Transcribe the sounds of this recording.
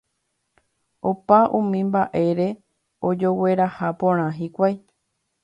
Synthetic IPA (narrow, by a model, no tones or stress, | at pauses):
opaʔũmĩmbaʔe̞ɾe̞ | o̞d͡ʒo̞we̞ɾahapõɾ̃ãɦikʷaj